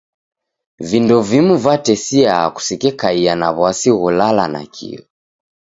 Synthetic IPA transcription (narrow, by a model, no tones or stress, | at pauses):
vindɔvimuvatɛsia̰ku̥sikɛkaianaβwasiɣulala̰na̰kʰḭɔ